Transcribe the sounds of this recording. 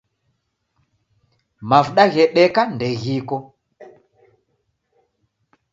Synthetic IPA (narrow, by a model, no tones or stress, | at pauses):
mavuɗaɣɛɗɛkandɛɣikɔ